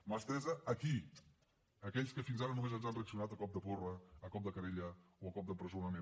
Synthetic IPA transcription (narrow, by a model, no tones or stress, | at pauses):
mast̪ɛzəːki | əkɛʎskəfinzaɾənumezənzanreəksiunat̪əkɔp̚d̪əporəːkɔp̚d̪əkəɾeʎəoəkɔp̚d̪əpɾəzonəne